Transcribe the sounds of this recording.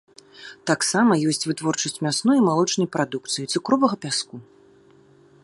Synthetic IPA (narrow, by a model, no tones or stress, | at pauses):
t̪aksamɐjɔsʲt͡sʲvɨt̪vɔrt͡ʂɐsʲt͡sʲmʲasnujimalˠɔt͡ʂnɐjpɾad̪uk̚t̪sɨjit̪sɨkɾɔvɐɣɐpʲasku